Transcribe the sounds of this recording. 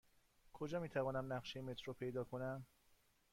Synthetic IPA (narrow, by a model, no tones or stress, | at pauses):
kʰo̞d͡ʒɒːmiːt̪ʰævɒːnæmnæɢʃejemet̪ʰɾopʰe̞jd̪ɒːkʰonæm